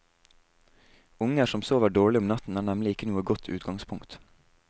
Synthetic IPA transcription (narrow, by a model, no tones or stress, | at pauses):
ʊŋəʃɔmsoːʋəɖoːɭɪʊmnɑt̪n̩æːɳæmlɪɪkənuːəɡɔt̪ʰʉ̰ːt̪ɡɑŋspʰʊŋkt̪